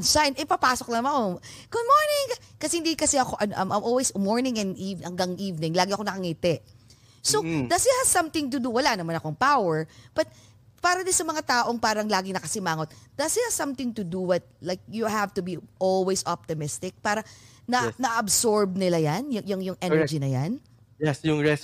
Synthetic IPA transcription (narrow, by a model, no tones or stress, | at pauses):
ɐnʃaʔɛnʔɪpapaːsok̚nɐmɐko̞ɡ̥ʊd̪̚moɹnɪŋkkɐsɛhɪnd̪ikɐsɛʔɐkoʔɐnoʔɐmʔamʔolwɛsmoɹnɪŋɛnd̪ʔivhɐŋɡaŋʔiːvnɪ̃ŋlaːɡɪʔɐkonɐkɐŋiːt̪ɛʔ | sowd̪ɐsɪt̪̚hɐ̥sɐmt̪ɪŋt̪ʊd̪uwɐlanɐmanɐkoɐŋpawɛɹb̥ɐt̪̚ | paːɾɐd̪ɪsɐmɐŋat̪aːʔo̞ŋpaːɾɐŋlaːɡɪŋnɐkɐsɪmaːŋot̪̚d̪̥ɐsɪt̪hɐ̥sɐ̃mt̪ɪŋt̪ʊd̪uwɐt̪̚lajk̚jʊhavt̪ʊbiʔolwɛsʔop̚t̪ɪmɪst̪ɪk̚paːɾɐ | nɐnɐʔɐbsoɹb̚nɪlajanjʊjʊŋjʊŋʔɛnɛɹd͡ʒinɐja̰n | jɛsjʊŋɹɛs